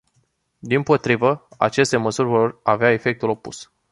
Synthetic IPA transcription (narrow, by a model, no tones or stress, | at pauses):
d̪impo̞t̪ɾivəa̰t͡ʃe̞st̪e̞məsurʲvo̞raveae̞fe̞k̚t̪ulo̞pṵs